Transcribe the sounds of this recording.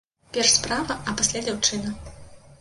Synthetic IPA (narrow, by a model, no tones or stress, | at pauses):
pʲɛrʂspɾavɐʔɐpasʲlʲad͡zʲawt͡ʂɨnɐ